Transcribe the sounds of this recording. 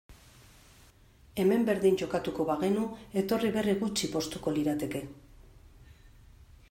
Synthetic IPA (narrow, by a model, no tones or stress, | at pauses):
e̞me̞mbe̞ɾðiɲd͡ʒo̞kat̪uko̞βaɣe̞nue̞t̪o̞riβe̞riɣut͡ʃipo̞st̪uko̞liɾat̪e̞ke̞